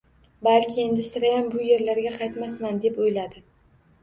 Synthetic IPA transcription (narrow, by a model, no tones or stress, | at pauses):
balkʲʰɪe̞nd̪ɪsɪɾajambʊje̞ɾlaɾɡʲaqʰɑjt̪masmand̪e̞pojlad̪ɪ